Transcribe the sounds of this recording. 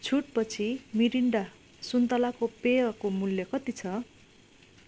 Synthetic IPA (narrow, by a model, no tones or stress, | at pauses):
t͡sʰuʈ̚pʌt͡sʰimiɾiɳɖa | sunt̪alakopeʌkomuljʌkʌt̪it͡sʰʌ